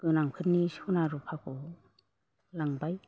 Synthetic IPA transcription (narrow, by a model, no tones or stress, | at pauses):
ɡ̥ɯnaŋpʰɯt̚nisunaɾupʰakʰo | laŋbaj